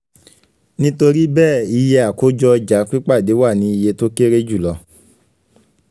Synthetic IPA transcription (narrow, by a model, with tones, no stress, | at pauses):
nĩ˦to˧ɾi˦bɛː˦˨i˧je˧a˨ko˨˦d͡ʒɔ˦˧d͡ʒa˨˦k͡pi˦k͡pa˦˨de˨˦wa˦˨nĩ˨˦i˧je˧to˦ke˦ɾe˦d͡ʒu˦˨lɔ˧